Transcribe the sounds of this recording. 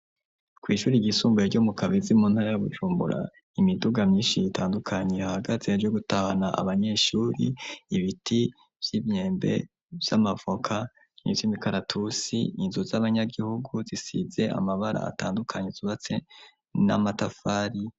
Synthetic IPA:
kwiːʃuːɾiɡisuːmbueɾɟomukaβizimuːnhaɾajaβud͡ʒuːmbṵɾa̰ | imiduɡamɲiːnʃiitʰaːndukʰaɲe̞ahaɡaze̞ːd͡ʒwoɡutahanaa̰βaɲe̞ʃuːɾḭːβitʰi | v̥jimɲe̞ːmbe̞̰ | vjamavo̞kʰa | nḭvimikaɾatʰusḭːnzuzaβaɲaɡihuɡuzisize̞a̰maβaɾa̰a̰taːndukʰaɲeziβat͡se̞ | na̰matafaːɾi

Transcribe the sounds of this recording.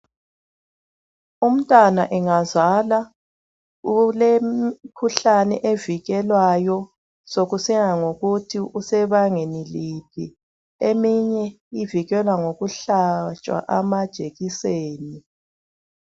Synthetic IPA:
um̩tʼwanaʔɛŋazala | ulekʰuɬanɛ̰ʔeviɣɛlwajɔ | soɣusiŋaŋoɣutʰiʔusɛβaŋenilipʰi | emiɲɛ | iviɣɛlwaŋoɣuɬat͡ʃʼwa̰ʔamad̥ʒ̥ʱeɣiseːni

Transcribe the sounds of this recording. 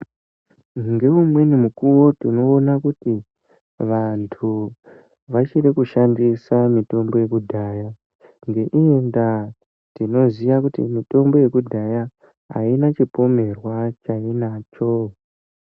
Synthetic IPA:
ŋɡe̞umwe̞nimukuwo̞tino̞ːnakuti | ʋantʰu | ʋat͡ʃirikuʃandisamito̞mbo̞je̞kudʱaːja | ŋɡe̞ʔienda | tino̞zijakutḭmito̞mbo̞je̞kudʱaja | ɦa̰inat͡ʃipo̞me̞rwat͡ʃainaːt͡ʃo

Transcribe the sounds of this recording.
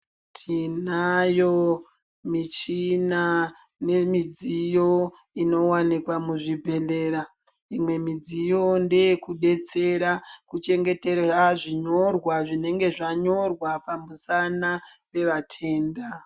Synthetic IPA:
tʰinajo | mit͡ʃina | ne̞mid͡zijo̞ | ino̞wanikwamuʐibʱe̞le̞ːɾa | imwe̞mid͡zijo̞nde̞kuɗe̞t͡se̞ɾakut͡ʃe̞ŋɡe̞te̞raʐiɲo̞rwaʐine̞ŋɡe̞ʐaɲo̞rwapamusana | pe̞ʋatʰe̞ːnda

